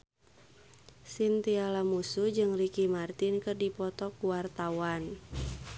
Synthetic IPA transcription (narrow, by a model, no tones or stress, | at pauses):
sint̪ialamusud͡ʒɨŋrikimart̪inkɨrdipɔt̪ɔkuwart̪awan